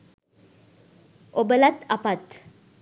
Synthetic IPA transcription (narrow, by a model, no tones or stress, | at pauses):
obəlat̪apat̪